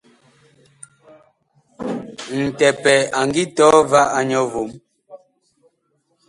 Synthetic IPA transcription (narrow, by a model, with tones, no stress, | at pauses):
n̩˨tɛ˨pɛ˨a˨ŋɡi˦tɔː˨˦va˦ʔa˦ɲɔ˦vo˨˦m